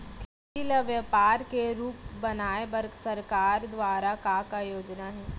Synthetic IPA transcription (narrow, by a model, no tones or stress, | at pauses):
kɪ | iləʋjəpaːɾkeɾuːpbɐnaːebɐɾksɐɾkaːɾd̪ʋaːɾakakajoːd͡ʒnaɦɛː